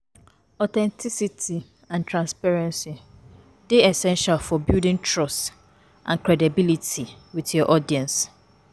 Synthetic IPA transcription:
ɔtʰɛ̃ntʰisitʰi | ãntʰɹãnspɛɹɛ̃nsi | d̥eɛsɛ̃nʃalfɔbildɪ̃ŋtʰɹɔst | ʔã̰nkʰɾɛdibilitʰi | witjɔʔɔdiɛ̃ns

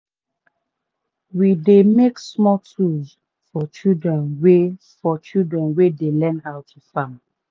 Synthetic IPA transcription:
widemeksmɔtʰuz | fɔt͡ʃildɹɛ̃nwe | fɔt͡ʃildɹɛ̃nwedelɛ̃nhawtʰufãm

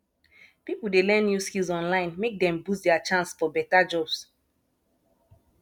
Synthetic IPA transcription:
pipul̩delɛ̃njuskilˠzɔ̃nlãɪ̃nmek̚dɛ̃mbusdɛat͡ʃãnsfɔbɛtad͡ʒɔbs

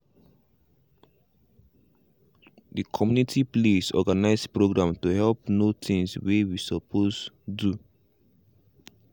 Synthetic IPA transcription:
dikʰɔmjunitʰiplesɔ̰ɡanaɪspɹoɡɹãmtuhɛlpnotʰĩŋswewisɔpʰosdu

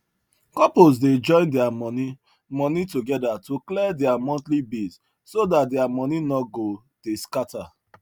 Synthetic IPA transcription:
kɔpozded͡ʒɔ̃ɪ̃ndɛamɔni | mɔ̃nitoɡɛdatoklɛdɛamɔ̃ntlibis | sodat̚dɛamɔninɔɡo | deskata

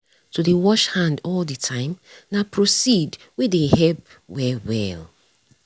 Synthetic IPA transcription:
tʰudewɔʃhãndɔlditʰãɪ̃mnapʰɹosid | wedehɛlp | wɛwɛ̰l

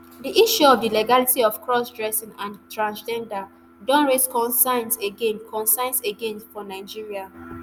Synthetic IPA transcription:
diʔiʃuɔvdileɡalitiɔfkɹɔsdɹɛsĩŋãntʰɹãnsd͡ʒɛ̃nda | dɔ̃nɹeskɔ̃nsãɪ̃nseɡẽnkʰɔ̃nsãɪ̃nseɡẽntfɔnaɪd͡ʒiɹia

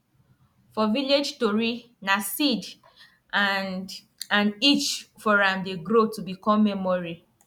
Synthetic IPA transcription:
fɔviled͡ʒtoɹi | nasid | ãnit͡ʃfɔɹãmdeɡɾotubikɔ̃mːɛmɔɹi

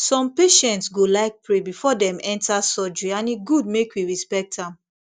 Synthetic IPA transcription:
sɔ̃mpeʃɛ̃ntsɡolaɪk̚pɹebifɔdɛ̃mɛ̃ntʰasɔd͡ʒianiɡud̚mekwiɹispɛk̚tãm

